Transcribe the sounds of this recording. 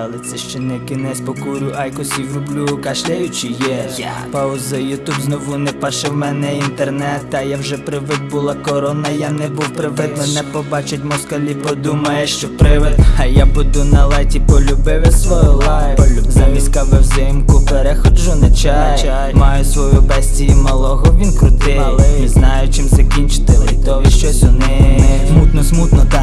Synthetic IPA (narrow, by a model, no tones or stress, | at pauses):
ɐlˠɪt̪sɛʃt͡ʃɛnɛwkɪnɛsʲpɔkuɾʲʊʔɐjkɔsʲiwlʲʊblʲukɐʃlʲɛjʊt͡ʃɪjɛpaʊzɪjʊt̪ubznɔʋunɛpaʃɛwmɛnɛint̪ernɛt̪ːɐjawʒɛpɾɪʋɪd̪̚bʊlˠakɔɾɔnɐjanɛbuwpɾɪʋɪd̪menɛpɔbɑt͡ʃʊt̚ʲmɔskɐlʲipɔd̪umɐjɛʃt͡ʃɔpɾɪʋɪt̪ɐjabʊd̪unɐlˠɛtʲipɔlʲʊbɪʋɪsʋɔjʊlˠazɐmʲisʲkaʋɪwzɪmkʊpɛɾɛxɔd̪ʒɔnɪt͡ʃa | mɑjʊsʋɔjubɛsʲtʲijimɐlˠɔɦɔʋʲinkɾʊt̪ɪ | iznɑjʊt͡ʃɪmzɐkʲinʲt͡ʃɪ̥t̪ɪlʲit̪ɔʋʲiʃt͡ʃɔsʲɔnɪsmut̪nɔsmut̪nɔt̪